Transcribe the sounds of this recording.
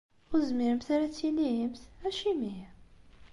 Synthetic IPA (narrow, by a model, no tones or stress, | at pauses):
ʊzmiɾəmθaɾæt͡sːilijəmθæʃimi